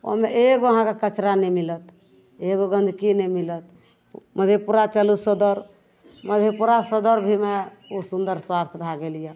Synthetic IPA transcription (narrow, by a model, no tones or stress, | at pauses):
o̰meeɡoəɦãkekət͡ʃɾanɛmilət̪ | eɡoɡə̃nd̪ʱkinɛmilət̪̚ | məd̪ʱepuɾat͡ʃəlusod̪əɾ | məd̪ʱepuɾasəd̪əɾbʱime | osund̪əɾswast̪ʰbʱaɡelijə